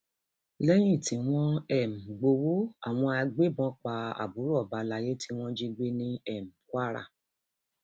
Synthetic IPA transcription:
lɛ˦j̃ĩ˦˨ti˨˦w̃ɔ̃˦ɛ˦˨m̩˨ɡ͡bo˧wo˦a̰˨w̃ɔ̃˧a˧ɡ͡be˦bɔ̃˧˦k͡pa˧a̰˨bu˨˦ɾɔ˦˨ba˨˧la˧je˦tʰi˦w̃ɔ̃˦d͡ʒi˧ɡ͡be˦nĩ˧ɛ˨m̩˨kwa˦ɾa̰˦˨

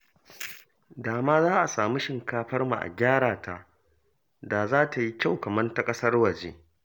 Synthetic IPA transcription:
daː˨maː˦zaː˦ʔa˨saː˨mu˦ʃɪ˨ŋkaː˦ɸɐ˦rmu˨ʔa̰˨ɡʲaː˦ɽaː˨tʰa˦ʔ | da˨zaː˦ta˨ji˦kʲa˦˨wkɐ˨mɐ˦nta˦kʼɐ˦sɐ˦rwɐ˨d͡ʒeː˦

